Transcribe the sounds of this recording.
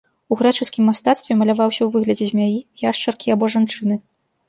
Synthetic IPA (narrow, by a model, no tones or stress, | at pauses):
uɣɾɛt͡ʂɨskʲimːast̪at̪st̪vʲɛmɐlʲavawsʲɐwvɨɣlʲɐd͡zʲɛzʲmʲajijaʂt͡ʂɐrkʲiabɔʐant͡ʂɨn̪ɨ